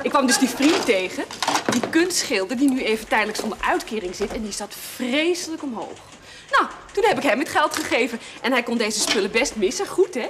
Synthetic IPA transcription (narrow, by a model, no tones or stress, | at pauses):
ʔɪkːʋɑmdɵzdifrintejχədikɵnstχɪlˠdəɹdinyejvəntɛjdələksɔndəɹœɥtkɪːrɪŋzɪtɛndisatfrejsələkɔmɦo̰wχ | naw | tunɦɛpɪkɦɛmɛtχɛlˠtχəχejvənʔɛnɦɛjkɔndejzəspʏləbɛstmɪsəχutɦɛ